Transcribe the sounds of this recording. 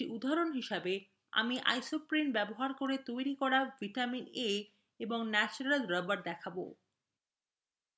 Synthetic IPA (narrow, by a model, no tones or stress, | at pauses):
iʔud̪ʱːaɾonɦiʃabe | a̰miʔa̰jsopɾinbɛboɦaɾkoɾet̪ojɾikɔɾaviʈamine | eboŋnɛt͡ɕonalɾabaɾd̪ɛkʰabo̰